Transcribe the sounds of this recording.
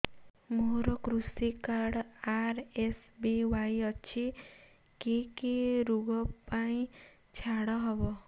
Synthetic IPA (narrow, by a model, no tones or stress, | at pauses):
moɾɔkɾusikaɽaɾesbewajʌt͡ʃʰi | kekeɾuɡɔpaĩ | t͡ʃʰaɽɔɦɔbɔ